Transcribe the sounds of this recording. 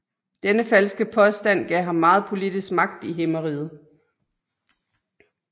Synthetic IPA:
d̥enəfælsɡ̥əpʰɒ̽sd̥æn̰ɡ̥ɛ̰ɦɑ̈mːɑ̈ːð̞̩ˠpʰo̝lid̥isɡ̥mɑ̈ɡ̥̚d̥iɦeməʁiːð̩ˠ

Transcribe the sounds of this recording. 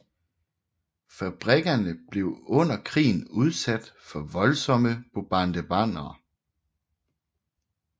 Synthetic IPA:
fæb̥ʁɛɡ̥ɐnəb̥le̝ʊɔ̽n̰ɐkʰʁḭːn̩uð̞ˠsæd̥fɒ̽ʋɒ̽lsɒ̽məb̥ob̥ɑ̈nd̥əb̥ɑn̰ɐː

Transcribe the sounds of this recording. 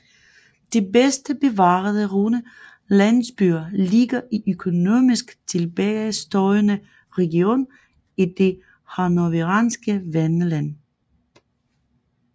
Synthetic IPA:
d̥e̝besd̥əb̥e̝ʋɑ̈ːð̩ˠəʁonə | lænsb̥yɐliɡ̥ɐʔiʔøkʰo̝no̝̰misɡ̥t͡sʰe̝lb̥ɛsd̥ɒɪnə | ʁɛɡio̝̰ːn | id̥e̝ | hɑnoʋeʁɑnsɡ̥əʋænəlæn̰

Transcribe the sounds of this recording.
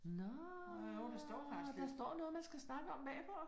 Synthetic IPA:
nɔ | odesd̥ɔ̰ːfɑd̥ɑ̈sd̥ɒ̰ːnɔ̽ːðˠmænsɡ̥æsnɑ̈ɡ̥əɒ̽mbɛːfɒ

